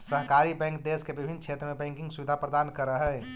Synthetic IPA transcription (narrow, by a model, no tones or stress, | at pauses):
səɦkaɾibɛ̃ŋkd̪eskebibʱint͡ʃʰet̪ɾəmebɛ̃ŋkĩŋɡsubid̪ʱapɾəd̪ankəɾəɦə